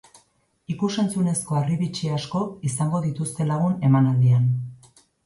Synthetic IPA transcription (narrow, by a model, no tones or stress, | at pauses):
ikuse̞nt͡sune̞sko̞ariβit͡ʃiasko̞isaŋɡo̞ðit̪ust̪e̞laɣ̞une̞manald̪ian